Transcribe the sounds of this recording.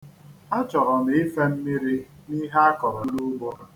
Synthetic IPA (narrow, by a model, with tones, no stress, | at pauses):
a˦t͡ʃɔ˨ɾɔ˨m˨˦ɪ˦fe˦m̩˦mi˦ɾi˦ni˦ɦe˦a˦kɔ˨ɾɔ˨˦lu˦ɡ͡bɔ˦ɾ